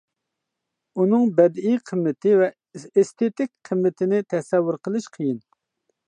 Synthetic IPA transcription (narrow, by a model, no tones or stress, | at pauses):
unɨŋbɛd̪ijqʰəmːɪt̪ʰɪvɛ | est̪ʰet̪ɪk̚ʲqʰəmːɪt̪ʰɪnɪt̪ʰɛsɛwːʊɾqʰəlˠɨʃqʰəjɪn